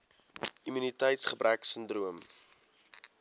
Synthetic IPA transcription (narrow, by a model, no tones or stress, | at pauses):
imynitəjtsχəbɾæksəndruəm